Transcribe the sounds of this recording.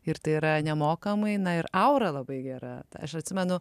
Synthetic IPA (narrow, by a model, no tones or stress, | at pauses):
ɪɾt̪ɐɪiɾɐnʲɛmoːkɐmɐɪnɐɪɾɐʊɾɐlˠɐbɐɪɡʲæɾɐ̰t̪ɐɐʃɐt̪ʲsʲɪmʲɛnʊ